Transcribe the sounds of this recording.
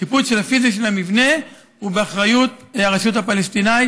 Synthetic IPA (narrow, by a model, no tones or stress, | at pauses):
kipulʃelhafiziʃ̬elamivne̞ | hubeaχʁajut̪aʁaʃut̪hapalest̪inaj